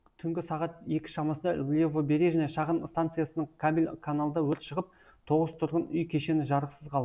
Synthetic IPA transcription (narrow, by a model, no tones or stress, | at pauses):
t̪ʰʏŋɡʲɪsɑʁɑt̪je̞kʲɪ̥ʃɑmɑsənd̪ɑlʲevobe̞ɾe̞ʒæne̞ʃɑʁənst̪ant̪sɨjasənəɴkʰabʲilʲkʰanalˠəd̪ɑwɵɾt̪ʃəʁəp̚ | t̪ʰo̞ʁəzt̪ʰʊɾʁənʏjkʲʰe̞ʃe̞nɪʒɑɾəqsəzqʰɑlˠ